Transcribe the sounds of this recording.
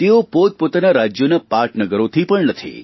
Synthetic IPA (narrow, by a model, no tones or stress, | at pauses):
t̪eopot̪̚pot̪anaɾad͡ʒjonapaʈnəɡəɾot̪ʰipəɳnət̪ʰḭ